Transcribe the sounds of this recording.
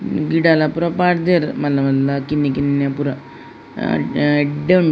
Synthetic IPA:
ɡiɽalapuɾɐpaːɾd̪eɾmɐlɐmɐlːakinːikinːapuɾɐ̰ | ɖeɳ

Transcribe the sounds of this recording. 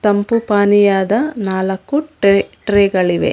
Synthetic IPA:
t̪ɐmpupaːnijaːd̪ɐnaːlɐkːuʈʈɾeːɡɐɭiʋe̞̰

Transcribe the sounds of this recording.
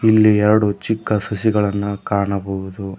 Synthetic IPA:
ilːiɛɾɐɽut͡ʃikːɐsɐsiɡɐɭɐnːukaːɳɐbɐɦud̪u

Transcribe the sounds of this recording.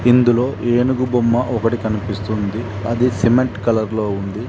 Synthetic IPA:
ind̪ulo̞ːʔeːnuɡubomːɐʔɔkɐʈikɐnipist̪und̪i | ɐd̪isimeɳʈkɐlɐɾlo̞ːund̪i

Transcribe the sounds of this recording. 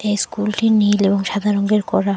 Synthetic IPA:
ejskulʈinileboŋʃad̪ʱaɾoŋɡeɾkɔɾa

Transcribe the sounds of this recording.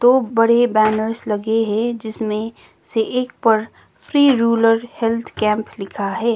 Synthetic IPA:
t̪oːbɐɽebɛːnəɾslɐɡeɦɛ̃d͡ʒɪsmẽ | seʔeːk̚pəɾ | pʰɾiːɾuːləɾhɛlt̪ʰkɛ̃ːmplɪkʰaɦɛː

